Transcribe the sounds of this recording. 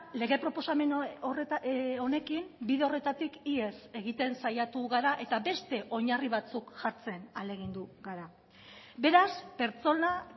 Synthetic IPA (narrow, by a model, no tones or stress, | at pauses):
le̞ɣ̞e̞pɾo̞po̞same̞ | o̞ne̞kimbiðe̞o̞re̞t̪at̪ikie̞se̞ɣ̞it̪e̞nsajat̪uɣaɾaʔe̞t̪abe̞st̪e̞ʔo̞ɲariβ̞at͡sukʝaɾt͡se̞nale̞ɣ̞ind̪uɣaɾa | be̞ɾaspe̞ɾt͡so̞na